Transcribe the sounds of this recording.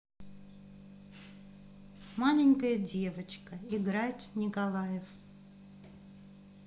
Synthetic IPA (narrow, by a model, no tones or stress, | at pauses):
malʲɪnʲkəjədʲe̞vət͡ɕkəɪɡɾatʲnʲɪkɐlˠajɪf